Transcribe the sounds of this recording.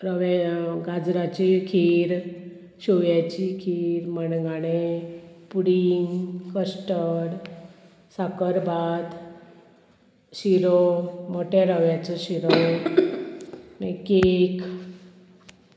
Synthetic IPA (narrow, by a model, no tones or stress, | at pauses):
ɾəʋɡad͡zɾat͡ɕikʰiɾ | ɕoʋjat͡ɕikʰiɾməɳɡaɽepuɽiŋɡkəsʈəɽ | sakəɾbat̪ | ɕiɾomoʈʰjaɾəʋjat͡sɔɕiɾo | mekek